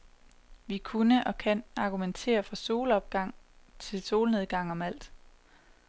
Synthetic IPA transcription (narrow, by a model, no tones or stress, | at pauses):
ʋikʰunəʔɒ̽kʰænɑ̈ɡ̥ument͡sʰe̝̰ːɐfʁɑ̈so̝ːlɒ̽b̥̚ɡ̥ɑ̈ŋ̰t͡sʰe̝lso̝ːlne̝ð̞ˠɡ̥ɑ̈ŋ̰ɒ̽mæl̰d̥